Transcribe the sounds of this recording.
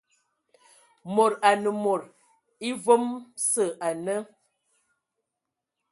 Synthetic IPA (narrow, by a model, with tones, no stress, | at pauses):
mo˨ɾa˨nə˨mo˨ɾ | i˦vo˦msə˦˨ʔa˨nə˦